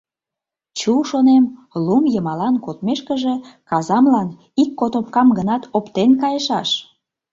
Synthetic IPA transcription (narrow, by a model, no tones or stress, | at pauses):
t͡ɕuʃonemlumjəmɑlɑnkot̪meʃkəʒekɑzɑmlɑn | ikːot̪opkɑmɡənɑt̪opt̪enkɑjəʃɑʃ